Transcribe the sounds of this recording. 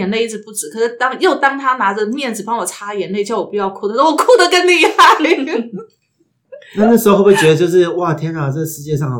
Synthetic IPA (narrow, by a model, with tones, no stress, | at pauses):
ɛ˧˩nle˥˧ɪi˥˩ʈ͡ʂɻ̩˨˩pu˥˩ʈ͡ʂɻ̩˨˩˥kʰɤ˨˩ʂɻ̩˥˩t̪ɑ˥ŋjo˥˩ʊt̪ɑ˥ŋt̪ʰa˥na˧˥ʈ͡ʂə˧mjɛ˥˩nt͡sɹ̩˨˩pɑ˥ŋwɔ˨˩ʈ͡ʂʰa˥˧jɛ˧˨˥nle˥˩ɪt͡ɕʰjʊwɔ˨˩pu˧˥jɑ˥˧ʊkʰu˥d̪ə˨˩t̪o˥wɔ˨˩kʰu˥˩d̪ə˨kə˥nni˥˧˩a˥˩ɪ | na˥˧na˥˩ʂɻ̩˧˥o˥˧wwt͡ɕɥɛ˧˥ə˧t͡ɕjo˥˧ʊʂɻ̩˥˧wa˥˩t̪ʰjɛ˧˥nɑ˨˩t͡sə˥˩ɡʂɻ̩˧t͡ɕjɛ˥˧ʂɑ˥˩ŋ˨